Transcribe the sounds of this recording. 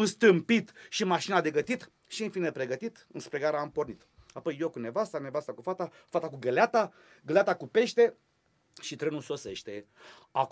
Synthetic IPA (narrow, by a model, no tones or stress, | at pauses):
ɨnst̪ɨmpit̪ʃimaʃinad̪e̞ɡət̪it̪ | ʃiɨnfinepɾe̞ɡət̪it̪ɨnspɾe̞ɡaɾaːmpo̞rnit̪ | apo̞jːokune̞vast̪anevast̪akufat̪a | fat̪akuɡəleat̪a | ɡəleat̪akupe̞ʃt̪e̞ | ʃit̪ɾenulso̞se̞ʃt̪e̞ | ak